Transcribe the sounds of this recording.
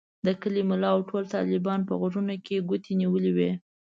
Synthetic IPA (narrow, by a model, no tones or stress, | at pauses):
d̪əkəlimʊlɑawʈʰolt̪ɑ̰lɪbɑnpə̰ɣʊʐunokeɡʊt̪eniwəliwe